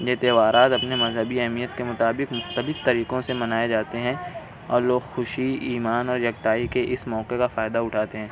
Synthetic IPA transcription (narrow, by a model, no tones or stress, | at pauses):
d͡ʒeːt̪eːʋaːɾaːt̪ɐpnemɐzɦəbiɛɦmijət̪kemʊt̪aːbɪqmʊxt̪əlɪft̪ɐɾiːqõsemɐnaːed͡ʒaːt̪eɦɛ̃ | ɔ̰ːɾloːɡxʊʃiiːmaːnɔːɾjɐɡ̚t̪aːikeʔɪsmɔːqekafaːɪd̪aʊʈʰaːt̪eɦɛ̃ː